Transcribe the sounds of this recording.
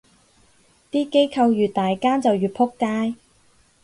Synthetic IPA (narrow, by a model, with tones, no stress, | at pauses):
t̪iː˥ke˥jkʰɐ˧wjyː˨˩t̪aː˨jkaː˥nt͡sɐ˨wjyː˨t̚pʰʊ˥kːaː˥j